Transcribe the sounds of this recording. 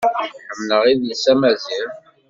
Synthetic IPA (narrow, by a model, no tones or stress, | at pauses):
ħəmnəʁiðləsæmæziɾ